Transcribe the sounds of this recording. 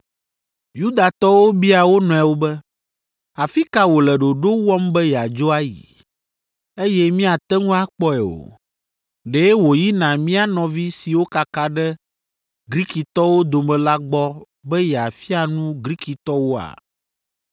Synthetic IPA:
ju˦d̪a˨t̪ɔ˦wo˦bi˦a˨wo˦nɔ̃˨ɛ˨wo˦bɛ˦ | a˨fi˦ka˦wo˨lɛ˨ɖo˨ɖo˦wɔ˦mbɛ˦jɛ˨a˨d͡ʒo˦a˦jḭ˨ | e˦jɛ˦mĩ˦a˨t̪ɛ˦ŋũ˦a˦k͡pɔ˦ɛ˨o̰˨ | ɖe˦wo˨ji˦nã˨mĩ˦a˦nɔ̃˨vi˦si˨wo˦ka˨ka˦ɖɛ˦ | ɡɾi˦ki˨t̪ɔ˦wo˦d̪o˨mɛ̃˨la˦ɡ͡bɔ˦ | bɛ˦jɛ˨a˨fi˦a˨nũ˦ɡɾi˦ki˨t̪ɔ˦wo˦a̰˨

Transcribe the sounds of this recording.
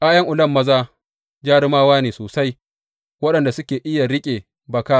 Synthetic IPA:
ʔaː˦jɐ˦ŋʔʊ˨lɐ˦mːɐ˦zaː˦ | d͡ʒaː˦ɽɪ˦maː˦waː˦neː˨soː˨sa˦j | wɐ˦ɗɐ˨nda˨sʊ˦kʲeː˨ʔɪ˦ja˨ɽɪ˦kʲʼeː˨ | bɐ˨ka˦

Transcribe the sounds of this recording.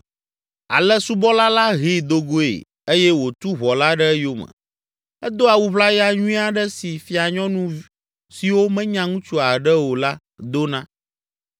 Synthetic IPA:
a̰˨lɛ˦su˦bɔ˦la˦la˦ɦi˦˨d̪o˦ɡo˦ḛ˨ | e˦jɛ˦wo˨t̪u˦βɔ˨la˦ɖə˦jo˦mə̰˨ | ɛ˦d̪o˦a˨wu˦βla˦ja˦ɲũ˦ĩ˦a˨ɖɛ˦si˨fi˦a˨ɲɔ̃˦nũ˦ | si˨wo˦mɛ̃˦ɲã˨ŋũ˦t͡ʃu˦a˨ɖə˦wo˨la˦ | d̪o˦nã˦

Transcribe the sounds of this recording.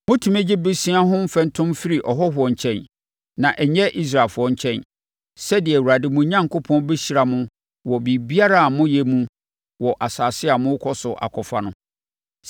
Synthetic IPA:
mʊ̃˦tʰũ˨me˦d͡ʑɪ˦bɪ˦sĩ˦a˦ɦʊ̃˦m̩˦fɛ̃˨ntʰʊ̃˦mfi˦ɾi˨ʔɔ˨ɦɔ˦ɦʊ˨ɔ˨ɲ̩˨t͡ɕʰɛ̃˦n | nã˨ʔɛ˨ɲɛ˦ʔi˦s̬ɾa˨lfʊ˨ɔ˦ɲ̩˦t͡ɕʰɛ̃˦˨n | sɛ˦dɪ˨ɛ˨wu˨ɾa˨dɪ˨mʊ̃˨˦ɲã˦ŋko˦pʰɔ̃˦nbe˦ɕi˨˦ɾa˨mʊ̃˦ | wɔ˨bi˨bi˦a˦ɾa˦a˨mʊ̃˦jɛ˨mũ˦ | wɔ˨ʔa˨saː˨sɪ˦a˨mʊ̃˦kʰɔ˦sʊ˨ʔa̰˨kʰɔ˨fa˨nʊ̃˦

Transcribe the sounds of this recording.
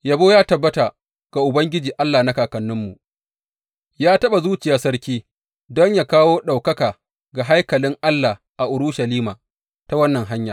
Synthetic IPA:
ja˨boː˦jaː˦tɐ˨bːɐ˦ta˨ | ɡ̥a˨ʔʊ˨bɐ˦ŋɡʲɪ˦d͡ʒiː˨ʔa˦lːa˨na˦kaː˨kɐ˨nːʊ˦mːṵ˨ʔ | jaː˦tɐ˦ɓa˨zuː˦t͡ʃɪ˨jaː˨sɐ˦ɾkʲiː˦ | dɔ˦ɲjaː˨kaː˦woː˦ɗa˨wkɐ˦kaː˨ | ɡa˨ɦa˦jkɐ˨lɪ˦ŋʔa˦lːa˨ | ʔa˨ʔʊ˨ɾʊ˦ʃɐ˨liː˦maː˨ | ta˦wɐ˦nːɐ˨ŋɦa˦ɲja̰˨

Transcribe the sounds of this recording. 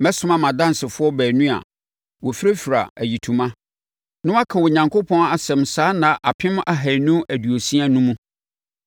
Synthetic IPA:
mɛ˦sʊ̃˨˦mã˨mã˨dã˦n˨sɪ˨fʊ˦ɔ˦bæː˨nũ˦a̰˨ | wɔ˨fi˦ɾe˦fi˨ɾa̰˨æ̰˨ji˨tʰũ˨mã˦ | nʊ̃˦a˦kʰã˨wɔ˨ɲã˨ŋkʰo˦pʰɔ̃˦na˨sɛ̃˨msaː˦nã˨ʔa˨pʰɪ̃˦m˦ʔa˨ɦæ˨nũ˦æ˨du˨o˨si˦a˦nũ˦mũ˦

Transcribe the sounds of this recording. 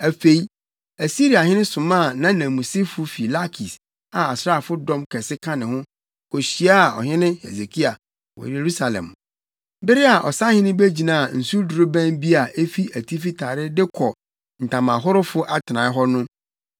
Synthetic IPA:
æ˨fe˨i˦ | æ˨si˦ɾi˨a˨ɦɪ˦nɪ̃˦sʊ̃˨mã˦˨nã˦nã˨mũ˨sɪ˦fʊ˦fi˨la˦kʰi˨s | a˨a˨sɾa˦˨fʊ˦dɔ̃˦mkʰɛ˨sɪ˦kʰã˦nɪ̃˨hʊ̃˦ | kʰɔ˨ɕi˨˦a˦a˨ɔ̰˨ɦɪ̃˦nɪ̃˦hḛ˨ze˨kʰi˦a˨ | wɔ̰˨e˨ɾu˦sa˨lɛ̰̃˨m | bɪ˦ɾɪ˦a˨ʔɔ̰˨sa˦hɪ̃˦nɪ̃˦be˦d͡ʑi˨nã˨a˨n̩˨su˦du˨ɾo˦bæ̃˦nbi˦a˨ʔe˦fi˦æ˨tʰi˦fi˦tʰa˨ɾɪ˦dɪ˦kʰɔ˨ | n̩˨tʰã˨mã˨ɦʊ˦ɾʊ˦fʊ˦ʔa˦tʰɪ˨nã˨˦ɪ˦ɦɔ˦nʊ̃˦

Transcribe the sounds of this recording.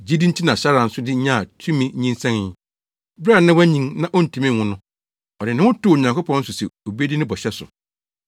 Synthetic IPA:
d͡ʑi˦di˦n̩˦tʰi˦nã˨ɕa˦ɾa˨n̩˦sʊ˦dɪ˦ɲã˦˨tʰũ˦mĩ˦ɲĩ˦n˦sã˦ŋ˨ | ba˦˨nã˦wæ˦ɲĩ˦ŋnã˦ʔɔ˦n̩˨tʰi˨mĩ˦˨hʊ̃˦nʊ̃˦ | ɔ˨dɪ˨nɪ̃˦wʊ̃˦tʊː˦˨ɲã˨ŋko˦pʰɔ̃˦n̩˦sʊ˨sɛ̰˨o˨be˦di˦nɪ̃˦bɔ˨ɕɛ˦sʊ̰˨

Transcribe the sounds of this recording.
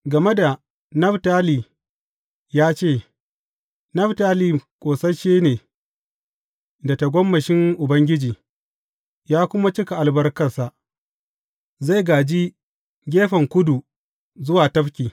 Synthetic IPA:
ɡɐ˨me˦da˨ | nɐ˦ɸtaː˦liː˨ | jaː˦t͡ʃeː˦˨ | nɐ˦ɸtaː˦liː˨kʷʼoː˨sɐ˦ʃeː˦neː˨ | da˨ta˨ɡʷɔ˦mːɐ˨ʃɪ˦ŋʔʊ˨bɐ˦ŋɡʲɪ˦d͡ʒiː˨ | jaː˦kʷʊ˦ma˦t͡ʃɪ˦ka˨ʔa˨lbɐ˦rkɐ˨rsa˨ʔ | za˦˨jɡaː˨d͡ʒi˦ | ɡʲeː˦ɸɐ˨ŋkʷʊ˦du˨ | zʊ˦waː˨tɐ˦ɸkʲiː˨

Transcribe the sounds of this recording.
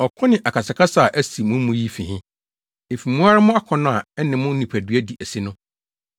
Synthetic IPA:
ɔ˨kʰɔ̃˦nɪ̃˨ʔa˨kʰa˨sɪ˨kʰa˦sa˨ʔæ˦si˨mʊ̃˦m˦mũ˦ji˦fĩ˨ɦɪ̃˦ | e˨fi˨mũ˦a˦ɾa˦mʊ̃˦a˦kʰɔ̃˨nʊ̃˦a˨ɛ˦nɪ̃˨mʊ̃˦n̩˦nĩ˨pʰæ˨dɥæ˦di˨ʔæ˨si˦nʊ̃˦

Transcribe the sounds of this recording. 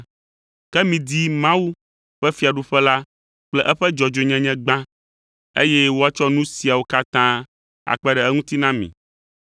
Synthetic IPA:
kɛ˦mĩ˨d̪i˦mã˦wu˦ | ɸɛ˦fi˨a˨ɖu˦ɸɛ˦la˦ | k͡plɛ˦ʔɛ˦ɸɛ˦d͡ʒɔ˨d͡ʒo˨ɲɛ̃˦ɲɛ̃˦ɡ͡bã˦ | ḛ˦jɛ˦wo˦a˦t͡ʃɔ˦nũ˦si˨a˨wo˦ka˦t̪ã˦ | a̰˨k͡pɛ˦ɖɛ˨ɛ˦ŋũ˦t̪i˦nã˦mḭ̃˨

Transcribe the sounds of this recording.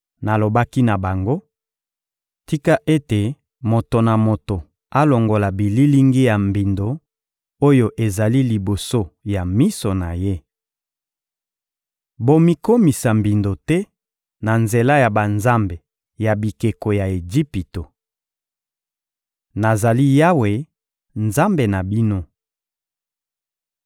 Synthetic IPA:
na˨lo˨ba˦ki˦na˨ba˨ŋɡo˦ | ti˦ka˦ʔe˦te˨ | mo˨to˨na˨mo˨to˨ | a˦lo˨ŋɡo˨la˨bi˨li˦li˦ŋɡi˦ja˨mbi˨ndo˨ | o˦jo˦ʔe˨za˨li˦li˨bo˨so˦ja˨mi˦so˨na˨je˦ | bo˦mi˦ko˦mi˨sa˨mbi˨ndo˨tɛ˦ | na˨nze˨la˦ja˨ba˨nza˦mbe˨ | ja˨bi˨ke˨ko˨ja˨e˨d͡ʒi˦pi˨to˨ | na˨za˨li˦ja˦we˨ | nza˦mbe˨na˨bi˦no˦

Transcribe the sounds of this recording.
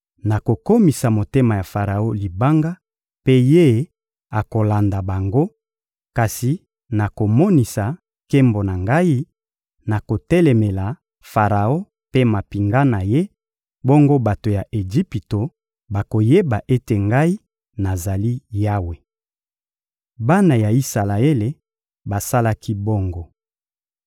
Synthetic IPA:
na˨ko˨ko˦mi˨sa˨mo˨te˦ma˨ja˨fa˨ʁa˨o˦li˨ba˦ŋɡa˦ | pe˦je˦ | a˨ko˨la˨nda˨ba˨ŋɡo˦ | ka˨si˨ | na˨ko˨mɔ˦ni˨sa˨ | ke˦mbo˨na˨ŋɡa˦i˦ | na˨ko˨tɛ˦lɛ˨me˨la˨ | fa˨ʁa˨o˦ | pe˦ma˨pi˨ŋɡa˦na˨je˦ | bɔ˦ŋɡo˦ba˨to˨ja˨ʔe˨ʒi˦pi˨to˨ | ba˨ko˨je˦ba˨ʔe˦te˨ŋɡa˦i˦ | na˨za˨li˦ja˦we˨ | ba˦na˨ja˨i˦sa˨la˨e˦le˨ | ba˨sa˦la˦kʰi˦bo˦ŋɡo˦

